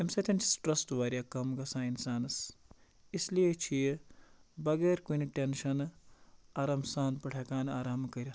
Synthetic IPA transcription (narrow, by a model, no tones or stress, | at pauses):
emsɐt̪ʲʰɐnt͡ʃʰi̥sʈɾɐsʈʋaːɾijaːkɐmɡɐsãːinsaːnɐs | islijet͡ʃʰijebɐɡeːɾkuniʈenʃɐn | aːɾɐmsaːnpɐʈʰɐkaːnaːɾaːmkɐɾʲɐ